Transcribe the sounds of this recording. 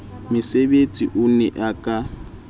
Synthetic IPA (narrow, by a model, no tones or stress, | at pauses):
mɪsebet͡sʼiʔʊnɛʔakʼa